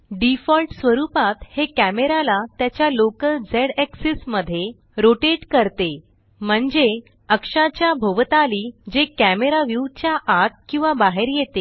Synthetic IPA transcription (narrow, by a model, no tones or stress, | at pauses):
ɖifɔlʈsʋəɾupat̪hekæmeɾalat̪jat͡ɕjalokəld͡zeɽeksisməd̪ʱːje | ɾoʈeʈkəɾt̪e | m̤əɳd͡ze | əkʂat͡ɕjabʱoʋt̪aliːd͡ʑekæmeɾaʋiwt͡ɕjaʔat̪̚kĩw̃ʋabaɦeɾjet̪e